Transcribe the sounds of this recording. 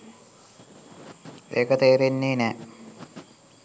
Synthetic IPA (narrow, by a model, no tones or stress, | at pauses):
ḛːkət̪eːɾenːeːnɛː